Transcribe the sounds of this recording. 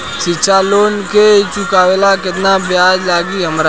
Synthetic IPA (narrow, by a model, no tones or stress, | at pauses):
sɪt͡ʃʰaloːnket͡ʃʊkaːʋelakɪt̪nabjaːd͡ʒlaːɡiɦɐmɾa